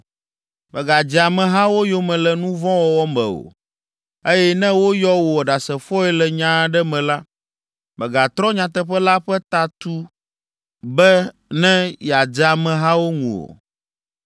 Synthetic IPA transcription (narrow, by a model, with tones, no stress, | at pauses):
mɛ˨ɡa˨d͡ʑi˨a˨mɛ̃˨ɦã˦wo˦jo˦mɛ̃˨lɛ˨nũ˦vɔ̃˦wɔ˨wɔ˦mɛ̰˨o̰˨ | e˦jɛ˦nɛ̃˦wo˦jɔ˦wo˨ɔ˨ɖa˨sɛ˨fɔ˦ɛ˦lɛ˨ɲã˦ɖɛ˦mɛ̃˨la˦ | mɛ̃˨ɡa˨t̪ɾɔ̃˦ɲã˨t̪ɛ˦ɸɛ˦la˦ɸɛ˦t̪a˨t̪u˦ | bɛ˦ | nɛ̃˦ja˨d͡ʒa˨mɛ̃˨ɦã˦wo˦ŋṵ̃˨o̰˨